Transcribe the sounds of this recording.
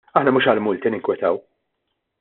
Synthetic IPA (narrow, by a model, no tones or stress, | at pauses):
ɐħnɐmuːʃɐlmʊlt̪inɪŋkwɛt̪ɐw